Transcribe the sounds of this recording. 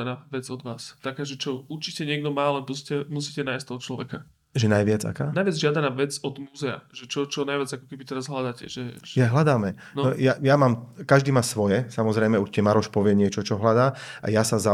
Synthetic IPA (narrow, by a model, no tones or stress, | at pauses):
anaːʋɛd͡zɔd̪ʋaːst̪akaːʒɛt͡ʃɔuɾt͡ʃicɛɲɪɛɡ̚d̪ɔmaːlɛpuscɛmusiːcɛnaːjst̪ɔɦɔtt͡ʃlɔʋɛ̰ka | ʒɛnajʋɪad͡za̰kaːnajʋɪad͡zʒɪad̪anaːʋɛd͡zɔd̪muːzɛa̰ʒɛt͡ʃɔt͡ʃɔnajʋɪad͡zakɔkɛbit̪ɛɾazɦlad̪acɛ̰ʒɛjaɦlad̪aːmɛ | nɔnɔjajamaːmkaʒd̪iːmaːsʋɔjɛsamɔzɾɛjmɛuɾcɪɛmaɾɔʃpɔʋɪɛɲɪɛt͡ʃɔt͡ʃɔɦlad̪aːʔa̰jasaza